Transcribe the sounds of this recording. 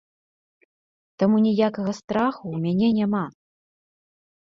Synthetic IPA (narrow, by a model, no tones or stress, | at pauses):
t̪amunʲijakɐɣɐst̪ɾaxuːmʲanʲɛnʲama